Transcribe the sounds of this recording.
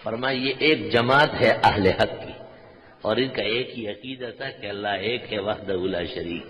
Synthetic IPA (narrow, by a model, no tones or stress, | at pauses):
fɐɾmaːjejeʔeːk̚d͡ʒɐmaːt̪ɦɛʔɐɦlehɐkːi | ɔːɾɪskaeːkɦiɐqiːd̪at̪ʰakeɐlːaɦeːkɦɛʋɐɦd̪ɐuːlaːʃɐɾiːk